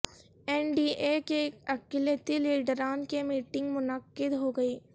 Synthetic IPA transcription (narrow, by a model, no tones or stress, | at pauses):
ɛːnɖiːʔekeɐkɪljət̪iliːɖɾaːnkemiːʈɪ̃ŋɡmʊnəkːɪd̪ɦoɡɐeː